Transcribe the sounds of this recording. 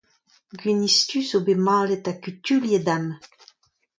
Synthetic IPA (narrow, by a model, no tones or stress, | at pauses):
ɡɥinist̪ysobemɑ̃ːlet̪akyt̪yljed̪am